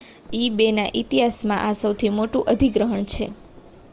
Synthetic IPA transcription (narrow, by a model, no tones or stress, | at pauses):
ibenaʔit̪iɦasmãʔasəwt̪ʰimoʈũʔəd̪ʱiɡɾəɦəɳt͡ʃʰḛ